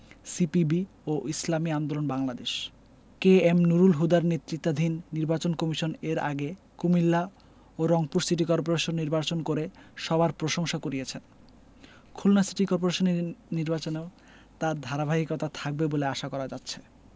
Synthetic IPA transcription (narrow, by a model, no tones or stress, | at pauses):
sipibi | oʔislamiand̪olonbaŋlad̪eʃ | keemnuɾulɦud̪aɾnet̪ːɾit̪ːad̪ʱinːiɾbat͡ɕonkɔmiʃoneɾa̰ɡe | kumilːa | oɾɔŋpuɾsiʈ̬ikɔɾp̬oɾeʃonːiɾbat͡ɕonkoɾeʃɔbaɾpɾoʃoŋʃakoɾiet͡ɕʰen | kʰulnasiʈikɔɾp̬oɾeʃoniniɾbat͡ɕoneo | t̪aɾd̪ʱaɾabʱaɦikɔt̪at̪ʰak̚beboleaʃakɔɾad͡ʑatːɕʰe̥